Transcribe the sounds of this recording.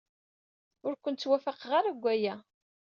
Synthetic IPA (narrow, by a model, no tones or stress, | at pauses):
ʊɾkʷənt̪t͡sːwæfaqʁaɾaɡʷːæjæ